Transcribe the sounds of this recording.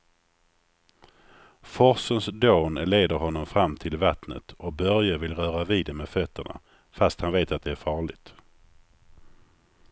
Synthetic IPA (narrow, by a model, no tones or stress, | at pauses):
fɔɾsənsd̪oːnɭeːd̪əɾɦɔnːɔmfɾamːt̪ʰɪlvat̪nə̰t̪ɔk̚bœɾjavɪlɾœːɾaviːd̪ɛmɛfœt̪ʰːəɳa̰ | fast̪hanveːt̪at̪̚d̪ɛæɾfɑːɭɪɡt̪